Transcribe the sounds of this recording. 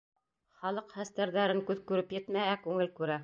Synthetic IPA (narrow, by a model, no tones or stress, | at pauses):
χɑlˠɤqχæst̪æɾðæɾɘŋkʉðkʉɾɘpjɘ̆t̪mæɦækʉŋɘlkʉɾæ